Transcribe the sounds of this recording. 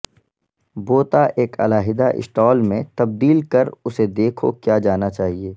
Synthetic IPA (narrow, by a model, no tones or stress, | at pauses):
boːt̪aʔeːkʰɐ̰laːɦɪd̪aʔɪ̰sʈɔːlmẽt̪ɐb̚d̪iːlkɐɾʊsed̪eːkʰo̰kjaːd͡ʒaːnat͡ʃaːɦieː